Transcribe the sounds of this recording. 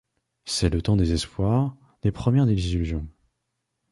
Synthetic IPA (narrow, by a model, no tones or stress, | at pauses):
sɛlət̪ɑ̃d̪ezɛspwaʁ | d̪̥epχəmjɛʁd̪elizylyzjɔ̃